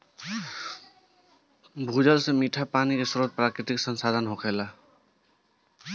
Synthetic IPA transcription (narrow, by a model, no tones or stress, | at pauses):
bʱud͡ʒəlsemiʈʰapaːnikesɾod̪̚pɾaːkɾɪt̪iksənsad̪ʱənɦokʰɛla